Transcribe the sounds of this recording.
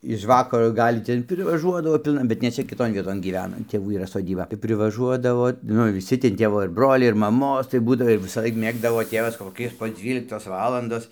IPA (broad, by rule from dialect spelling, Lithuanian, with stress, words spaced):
ɪʃ ˈʋɑːkɐroː ˈɡɐlʲ ˈtʲɛn pʲrʲɪʋɐˈʒuɔdɐʋoː ˈpʲɪlˠnɐ bʲɛt nʲɛ ˈt͡ʃʲɛ kʲɪˈtoːn ˈʋʲiɛtoːn ˈɡʲiːʋʲɛnɐ ˈtʲeːʋuː iːˈrɐ soːˈdʲiːbɐ tɐɪ pʲrʲɪʋɐˈʒuɔdɐʋoː ˈnʊ ʋʲɪˈsʲɪ tʲɛn ˈtʲeːʋoː ɪr broːlʲɛɪ ɪr mɐˈmoːs tɐɪ ˈbuːdɐʋoː ʋʲɪsɐˈlˠɐɪk ˈmʲeːɡdɐʋoː ˈtʲeːʋɐs koːˈkʲɪ poː ˈd͡zʲʋʲiːlʲɪktoːs ˈʋɑːlˠɐndoːs